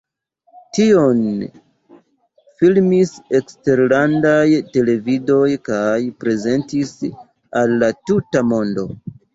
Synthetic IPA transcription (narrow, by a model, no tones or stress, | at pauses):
tio̞n | filmise̞kste̞ɾlandajte̞le̞vido̞jkajpɾe̞ze̞ntis | alːatutamo̞ndo̞̰